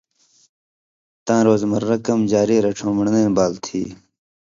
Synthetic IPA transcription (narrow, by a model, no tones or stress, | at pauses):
t̪ãːɾoːzmɐɾːɐkɐmd͡ʑaːɾiːɾɐʈ͡ʂʰõːməɳnẽːbaːlt̪ʰḭː